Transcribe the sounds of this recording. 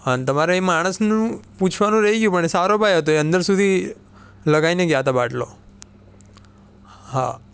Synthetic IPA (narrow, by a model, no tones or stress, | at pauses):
ənt̪əmaɾoemaɽ̃əsnũput͡ʃʰʋanũɾəɦiɡjũpəɳ̃esaɾobʱajɦət̪oeə̃nd̪əɾsud̪ʱi | ləɡaineɡjat̪abaʈlo̰ | ɦa̰